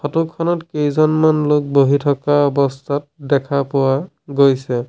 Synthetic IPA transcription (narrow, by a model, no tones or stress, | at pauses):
xʰɔtukʰːɔnɔtkejzɔnmanlok̚boɦitʰɔkaɔbɔstʰat̚dɛkʰapʊwa | ɡojsɛ